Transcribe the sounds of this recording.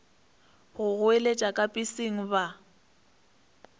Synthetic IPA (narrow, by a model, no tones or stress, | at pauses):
ɣʊɣʊelet͡ʃʼakʼapʼisiŋ̩βa